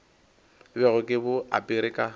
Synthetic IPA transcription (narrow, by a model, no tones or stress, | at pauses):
bɛɣʊkʼɪbʊa̰pʼɪɾɪkʼa